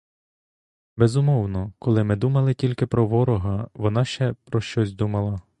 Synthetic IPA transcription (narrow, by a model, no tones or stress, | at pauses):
bɛzʊmɔwnɔkɔlˠɪmɪd̪umɐlˠɪtʲilʲkɪpɾɔʋɔɾɔɦɐʋɔnɑʃt͡ʃɛpɾɔʃt͡ʃɔsʲd̪umɐlˠɐ